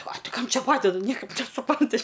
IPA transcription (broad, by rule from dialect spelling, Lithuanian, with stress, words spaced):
ɐ ˈtʲɪ ˈkɐm ˈt͡ʃʲɛ ˈpɑːdʲɛdɐ ˈnʲiɛkɐɪp nʲɛsʊˈprɐnʲtʲɪ